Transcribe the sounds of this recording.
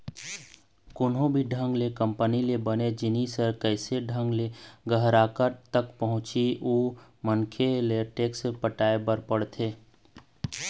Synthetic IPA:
kʊnɦõbʱiɖʱə̃ŋɡlekə̃mpənilebəned͡ʒɪnisəɾkɛɪseɖʱə̃ŋɡleɡəɦɾaːkəɾt̪əkpəɦʊ̃t͡ʃiuːmənkʰeleʈeːksepəʈaːebəɾpəɽt̪ʰeː

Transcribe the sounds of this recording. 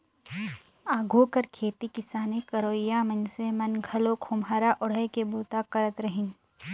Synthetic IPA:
aːɡʱuːkəɾkʰeːt̪ikɪsaːnekɐɾoːɪjamɐnsemɐnɡʱɐlokʰoːmaːɾaʔʊɽ̤əɦkeboːt̪akɐɾət̪ɾɐɦɪ̃n

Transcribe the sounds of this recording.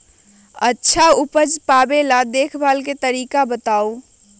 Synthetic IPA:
ətːʃʰaupəd͡ʒpabelad̪ekʰbʱalket̪əɾiːkabət̪au

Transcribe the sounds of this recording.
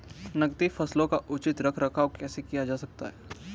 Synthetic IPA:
nɐɡt̪ifɐslõkaʔʊt͡ʃɪt̪ɾɐkʰɾɐkʰaːʋkɛːsekijad͡ʒaːsɐk̚t̪aɦɛː

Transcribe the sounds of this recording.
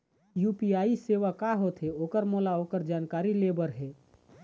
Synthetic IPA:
jupiaːiseʋakaɦot̪ʰɦeoːkəɾmolaoːkəɾd͡ʒaːnkaːɾilebəɾɦɛː

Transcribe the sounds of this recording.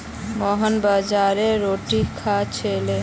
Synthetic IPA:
mɔɦənbad͡ʒaɾeɾoʈikʰat͡ʃʰele

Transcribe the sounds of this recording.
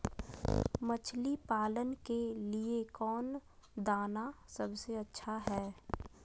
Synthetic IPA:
mət͡ʃʰlipaːlənkeliekɔːnd̪aːnasəbseɐtːʃʰaɦɛː

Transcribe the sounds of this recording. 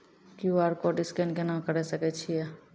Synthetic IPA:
kjuaɾkoʈiskɛnkenãkəɾɛsəkɛt͡ʃʰijɛ

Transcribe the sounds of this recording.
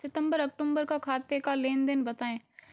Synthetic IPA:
sɪt̪ə̃mbəɾɐk̚ʈõːmbəɾkakʰaːt̪ekaleːnd̪ɪnbɐt̪aːẽː

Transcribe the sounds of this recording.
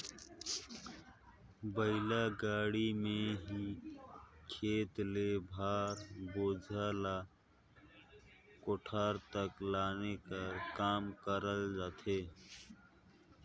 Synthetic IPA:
bəɪlaɡaːɽimẽɦi | kʰeːt̪lebʱaːɾboːd͡ʒʱaːla | koʈʰaːɾt̪əklaːnekakaːmkəɾəld͡ʒaːt̪ʰeː

